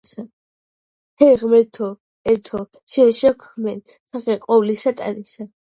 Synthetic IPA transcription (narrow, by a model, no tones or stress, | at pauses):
sa | hʰɛʁmɛɾt̪ʰɔ | ɛɾt̪ʰɔ | ʃɛnʃɛkʰmɛn | saχɛqʼɔvlisat̪ʼa̰ɾisa